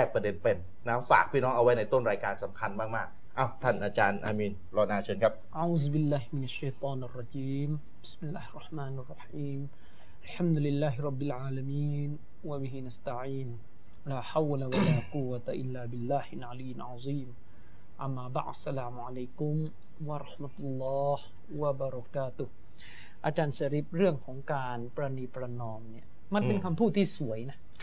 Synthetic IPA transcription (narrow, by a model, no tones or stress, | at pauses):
tɛːk̚pɾadenpenːaːfaːk̚pʰiːnɔːŋʔawajnajt̪onɾaːjkaːnsamkʰanmaːk̚maːk̚ | ʔawt̪ʰanʔaːt͡ɕaːnʔaːmiːn | lɔːnaːt͡ɕʰɤːnkʰap̚ʔaʕuːzbɪlːaːɦmɪnaʃːajt̪ˤɑːnɑrˤːɑd͡ʒiːm | b̥ɪ̥smɪlːaːhɑrˤːɑħmaːnʔɑrˤːɑħiːm | ʔalħamd̪ʊlɪlːaːɦɪɾˤɑbːɪlʕaːlamiːn | wabɪɦɪnast̪aʕiːn | laːħawlawalaːqʊwat̪aʔɪlːaːbɪlːaːhɪnʕalijɪnʕɑzˤiːm | ʔa̰mːaːba̰ʕd̪salaːmuʕalejkʊm | waɾˤɑħmat̪ulːɑːh | wabaɾˤɑkaːt̪ʊh | ʔat͡ʃansaɾip̚rɨəŋkʰɔŋka | npɾanipɾanɔmni | mapɪnkamput̪isuajnah